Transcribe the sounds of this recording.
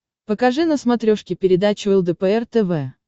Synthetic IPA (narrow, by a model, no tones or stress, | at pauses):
pəkɐʐɨnəsmɐt̪ɾʲoʂkʲɪpʲɪɾʲɪd̪at͡ɕʊɛlˠd̪əpəɛrt̪ɛvɛ